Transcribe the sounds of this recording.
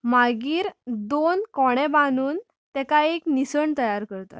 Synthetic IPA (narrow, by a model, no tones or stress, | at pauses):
maɡiːɾd̪onkɔɽ̃ɛbanuːn | t̪ɛkaeknisəɳt̪əjaɾkəɾt̪a̰t̪